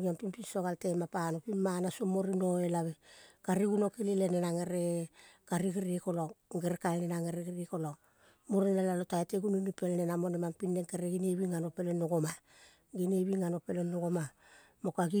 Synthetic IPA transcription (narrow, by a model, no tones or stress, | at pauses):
iampimpinso̞ɡalte̞mapanopinmanasomoɾino̞elaβekaɾiɡuno̞kelilenenaŋeɾekaɾiɡiɾiko̞loŋɡeɾekaenenaŋeɾeɡiɾiko̞loŋ | moɾenelalotaeteɡununipelnenamonemampinːe̞ŋkeɾeɡineβiŋano̞pe̞lenoɡoma | ɡineβiŋano̞pelenːoɡoma | mo̞kaɡi